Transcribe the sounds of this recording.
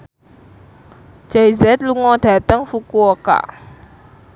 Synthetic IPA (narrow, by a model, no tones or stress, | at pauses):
d͡ʒ̥ajzɛt̪̚luŋɔɖ̥a̤t̪əŋfukuoka̰